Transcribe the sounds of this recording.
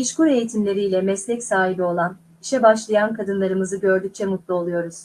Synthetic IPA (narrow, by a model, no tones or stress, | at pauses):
iʃkuɾe̞jit̪ʰimlʲe̞ɾiːlʲɛmɛslʲɛcsaːɦibio̞lˠan | iʃɛbaʃlˠajankʰad̪ɯnlˠaɾɯmɯzɯɟø̞ɾd̪yc̚t͡ʃʰɛmut̪lˠuo̞lˠujo̞ɾuz̥